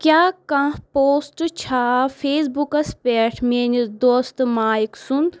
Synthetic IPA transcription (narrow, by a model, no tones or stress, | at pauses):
kʲjaːkãpoːsʈt͡ʃʰaːfʰeːsbukɐspeːʈʰmeːnid̪oːst̪maːiksun